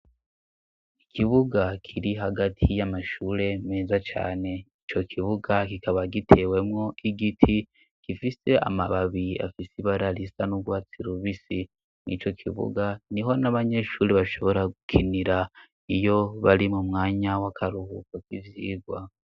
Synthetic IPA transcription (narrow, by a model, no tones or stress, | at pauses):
ikʰiβuɡakʰiɾiɦaɡatʰijamaʃuːɾe̞meːzat͡ʃa̰ːne̞it͡ʃo̞kʰiβuɡakikʰaβaɡitʰe̞we̞mŋo̞ʔiɡitʰi | kifise̞ʔa̰maβaβia̰fisiβaɾaɾisanuɡwaːt͡siɾuβisi | nḭt͡ʃo̞kʰḭβṵɡaniɦo̞naβaɲe̞ʃuːɾiβaʃo̞βo̞ɾaɡukʰiniɾa | ijo̞βaɾimumŋaːɲawakʰaɾuhukokivjiːɡwa